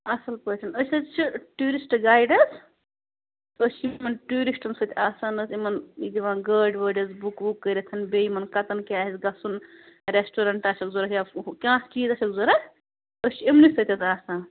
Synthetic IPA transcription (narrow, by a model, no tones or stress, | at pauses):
ɐsɐlpəːt͡ʃʰʲɐnəsʲɐt͡ʃʰiʈuːɾisʈɡaːjɖɐs | əst͡ʃʰimɐnʈuːɾisʈɐnsɐt̪ʰʲaːsaːnɐsimɐnid̪iʋãːɡəːɖʋɐːɖɐzbukbukːəɾɐt̪ʰɐnbeːimɐnkɐt̪ɐnkʲaːɦizɡɐsun | ɾesʈuːɾɐɳʈaːsɐkzuɾɐɦjakʲãːst͡ʃiːzɐʃʰʲɐkzuɾɐ | əst͡ʃʰiimnisɐt̪ʰʲɐt̪aːsaːn